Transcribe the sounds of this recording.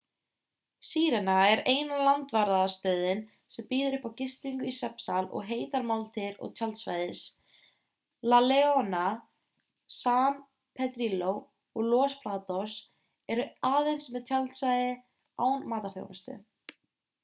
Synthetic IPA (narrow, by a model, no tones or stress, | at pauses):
siːɾɛnaɛɾeːjnalant̪vaɾðaðast̪œːðɪn | sɛmpiːðʏɾʏhpawcɪst̪iŋkʏisɛpsalɔ̰ɣɦeːjt̪aɾmawlt̪ʰɪɾɔ̰ɣt̪ʰjalt̪sva̰jðɪs | lalɛɔna | saːn | pʰɛt̪ɾilow | ɔɣlɔːspʰlaːt̪ɔs | ɛɾʏaːðejnsmɛðt̪ʰjalt̪svajðɪ | a̰ːwnmaːt̪aɾ̥θjo̰wmɛ̰st̪ʏ̰